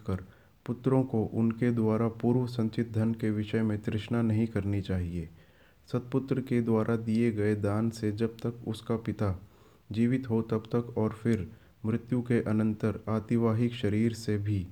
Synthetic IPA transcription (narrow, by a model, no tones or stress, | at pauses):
kəɾ | pʊt̪ːɾõkoʔʊnked̪waːɾapuːɾʋsɐ̃ɲt͡ʃɪt̪̚d̪ʱənkeʋɪʃəmẽt̪ɾɪʃnanɐɦĩkɐɾnit͡ʃaːɦieː | sɐt̪̚pʊt̪ɾəked̪waːɾʔad̪ieɡɐed̪aːnsed͡ʒɐb̚t̪əkʊskapɪt̪a | d͡ʒiːʋɪt̪ɦot̪ɐbt̪əkɔːɾfʰɪɾ | mɾɪt̪jukeʔɐnə̃nt̪əɾaːt̪ɪʋaːɦɪkʃɐɾiːɾsebʱi